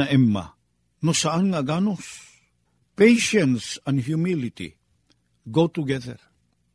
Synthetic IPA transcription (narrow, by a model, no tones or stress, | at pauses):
aʔɛmːa̰ | nosaanŋaɡanus | pejʃə̃nsãnhjumilitḭ | ɡot̪uɡɛðə̰ɹ